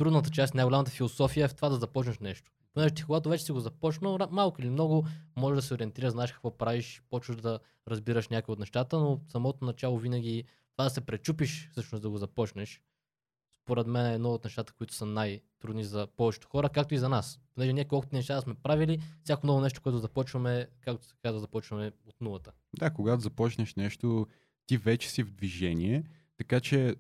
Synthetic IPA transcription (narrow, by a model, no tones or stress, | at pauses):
t̪ɾud̪nət̪ət͡ʃast̪ʲnajɡolʲamət̪əfilˠosɔfijəɛft̪ovad̪ɐzɐpɔt͡ʃnɐʃnɛʃt̪o̥ponɛʒɛt̪i̥koɡat̪ovɛt͡ʃɛsiɡozɐpɔt͡ʃnəmalˠkʊilimnɔɡʊmɔʒɛʒd̪ɐsɛoɾiɛnt̪iɾəznaɛʃkɐ̥kvɔpɾaviʃpɔt͡ʃvəd̪ɐ | ɾɐzbiɾəʃnʲakoviot̪nɛʃt̪at̪ənosɐmɔt̪onɐt͡ʃalˠovinəɡʲi | t̪ovad̪ɐsɛpɾɛt͡ʃupiʃfsɤʃnosd̪ɐɡozɐpɔt͡ʃnɛʃ | spoɾɛd̪mɛnɛd̪nɔot̪nɛʃt̪at̪ə̥koit̪ʊ̥sənajt̪ɾud̪nizɐpɔvɛt͡ʃɛ̥t̪o̥xɔɾəkak̚t̪oizɐnasponɛʒɛniɛkɔlˠkʊt̪ʲinɛʃt̪at̪əsmɛpɾavilifsʲakonɔvonɛʃ̬t̪o̥kʊɛt̪ʊzɐpɔt͡ʃvəmɛkakt̪skɡad̪ʊzɐpɔt͡ʃvɐmɛot̪nulˠət̪ə | d̪akoɡat̪ozɐpɔt͡ʃnɛʃnɛʃt̪o | t̪ivɛt͡ʃɛ̥sivd̪viʒɛnʲiɛ | t̪ɐkat͡ʃɛ